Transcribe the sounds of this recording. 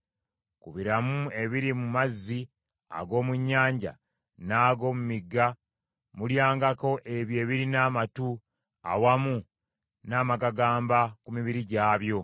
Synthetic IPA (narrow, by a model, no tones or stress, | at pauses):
kuβiɾamue̞βiɾimumazːi | a̰ɡo̞ːmuɲːaːɲɟa̰ | naːɡo̞ːmumiɡːa | muljaːŋɡako̞ʔe̞βje̞ːβiɾinaːmatu | a̰wamu | naːmaɡaɡaːmbakumiβiɾiɟaːβjo̞